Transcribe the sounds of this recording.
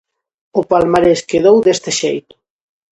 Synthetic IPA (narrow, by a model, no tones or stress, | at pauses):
ʊpalmaɾeskeðowðest̪ɪʃejt̪ʊ̥